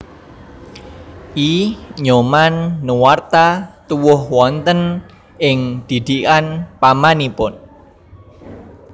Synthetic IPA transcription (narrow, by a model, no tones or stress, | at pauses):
ʔiɲomanːəwart̪at̪uwʊhwɔnt̪ən | ʔɪŋd̪̥i̤d̪̥ikanpamanipʊn